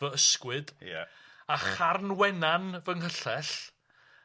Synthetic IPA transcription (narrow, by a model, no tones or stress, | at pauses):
əəskwɨdjɛ̰aχarnwɛnanvəŋhəɬɛɬ